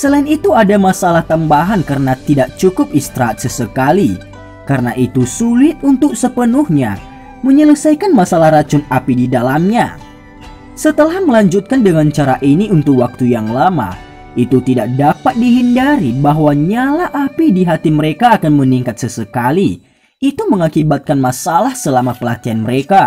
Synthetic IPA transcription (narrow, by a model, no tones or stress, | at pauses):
səlainit̪uadamasalaht̪ambaɦankəɾənat̪idaʔ̚t͡ʃukʊp̚ist̪ɾaːt̪̚səsəkali | kaɾənaʔit̪usulɪt̪̚unt̪ʊk̚səpənuhɲa̰ | məɲələsajkanmasalahrat͡ʃʊnapididalamɲa̰ | sət̪əlahməlaɲd͡ʒut̪̚kandəŋant͡ʃaɾaʔiniʔunt̪ʊk̚wak̚t̪ujaŋlama̰ | it̪ut̪idak̚dapat̪̚diɦindaɾibaɦwaɲalaʔapidiɦat̪iməɾekaːkanməniŋkat̪̚səsəkaliː | t̪uməŋakibat̪̚kanmasalahsəlamapəlakianməɾeka